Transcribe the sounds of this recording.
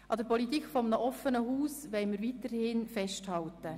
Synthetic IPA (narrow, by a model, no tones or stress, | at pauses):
ʔɑd̥̪əɾpʰɔlit̪iːkfɔmənəʔɔfənəɦuːsʋɛɪməɾʋiːt̪əɾhɪnfɛʃthɑltə